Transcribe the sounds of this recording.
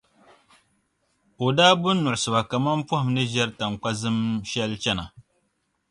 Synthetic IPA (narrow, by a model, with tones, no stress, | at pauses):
o˨daː˦bʊ˦nː˦ʊ˨ʔʊ˨sɨ˨ba˨ka˨ma˦m˦pʊ˦hɪ˨mnɨ˦ʒɛ˦ɾta˨ŋ˨k͡pa˦zɨ˦mʃɛ˦lt͡ʃɛ˦na˨